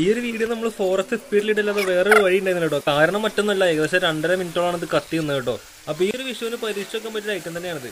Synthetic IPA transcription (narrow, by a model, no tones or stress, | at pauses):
ijoɾuʋiːɽijɐnɐmːɐɭfo̞ːrɐst̪ɨspiːʈiliʈːilːaːnːɐʋe̞ːreʋɐɻijnɖenilːʈːo̞ːkaːɾɐɳɐmːɐtːonːɐlːɐeɣɐðɐɕɐɾɐɳɖɐɾɐmintːoɭːaːɳɐðɨkɐt̪ːijunːeːʈːo̞̰ː | ɐpːoijoɾuʋiʂjɐʋinɨpɐɾiːʂokːɐmpɐt̬ːiɾaːjitːunt̪ɐnːeaːɳɐðɨ